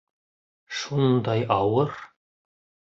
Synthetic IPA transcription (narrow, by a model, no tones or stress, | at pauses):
ʃund̪ɑjɑwɤɾ